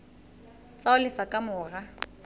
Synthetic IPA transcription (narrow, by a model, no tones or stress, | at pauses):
t͡sʼaʊlɪfakʼamʊːra